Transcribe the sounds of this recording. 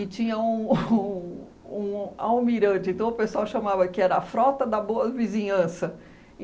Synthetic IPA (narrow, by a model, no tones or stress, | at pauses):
ɪt͡ʃĩɲɐũ | ũawmiɾɐ̃t͡ʃɪẽnt̪ɐ̃w̃ʊpesuawʃɐmavɐkɪɛɾɐːfɾɔt̪ɐd̪ɐboɐvizĩɲɐ̃sɐ̃